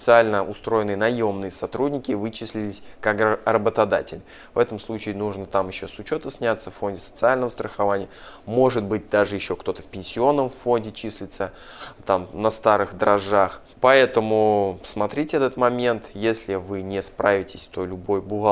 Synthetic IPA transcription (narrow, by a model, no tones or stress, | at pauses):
ɪt̪sɨalʲnəʔʊst̪ɾo̞jɪnɨjənɐjo̞mnɨjəsɐt̪ɾudʲnʲɪkʲɪvɨt͡ɕɪsʲlʲɪlʲɪsʲkakrəbət̪ɐd̪a̰tʲɪlʲ | vɛt̪əmslˠut͡ɕɪːnuʐnət̪amjɪɕːosʊt͡ɕo̞t̪əsʲnʲat̪səffo̞nʲdʲɪsə̥t̪sɨalʲnəvəst̪ɾəxɐvanʲɪjəmo̞ʐɨt̪̚bɨt̚ʲd̪aʐɨjɪɕːo̞kt̪o̞t̪əfʲpʲɪnʲsʲɪo̞nːəmffo̞nʲdʲɪt͡ɕisʲlʲɪt̪sə | t̪amnɐst̪aɾɨxd̪əɾɐʐax | pɐɛt̪əmʊ̥smɐt̪ɾʲitʲɪɛt̪ət̪mɐmʲe̞nt̪jesʲlʲɪvɨnʲɪspɾavʲɪtʲɪsʲt̪o̞lʲʊbo̞jbʊɣa